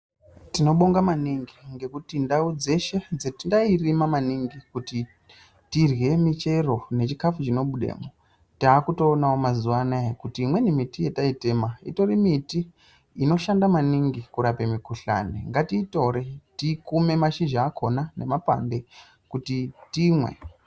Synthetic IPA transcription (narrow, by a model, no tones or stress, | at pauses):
tino̞ɓo̞ŋɡamaniŋɡiŋɡe̞kutindaud͡ze̞ʃe̞d͡zetindairimamaniŋɡikuti | tirwe̞mit͡ʃe̞ro̞ne̞t͡ʃikafut͡ʃino̞ɓuɗḛːmo | taːkuto̞ːnaomazuwanaekutiːmwe̞nimitijetaite̞maḭto̞ɾimitiː | no̞ʃandamaniŋɡikuɾapemikuɬa̰nḭŋɡatiːto̞ɾitikume̞maʃiʒaːkʰo̞nane̞mapa̰mbe̞ | kutitimwḛ